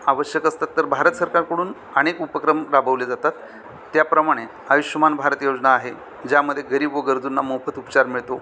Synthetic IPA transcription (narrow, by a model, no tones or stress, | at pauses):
aʋəɕjəkəst̪at̪ːəɾbʱaɾət̪səɾkaɾkəɽuːn | əɽ̃ekupəkɾəmɾabʱəʋled͡zat̪at̪ː | japɾəmaɽ̃e | aʋiɕəmanbʱaɾət̪jod͡znaːɦe | d͡ʑjaməd̪ʱːjeɡəɾiːbʋoɡəɾd͡zunːamofət̪upt͡ɕaɾmiɭt̪o